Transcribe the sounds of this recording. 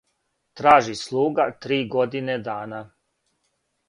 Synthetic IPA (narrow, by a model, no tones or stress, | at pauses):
t̪ɾaːʒislˠuːɡat̪ɾiːɡo̞d̪ined̪aːna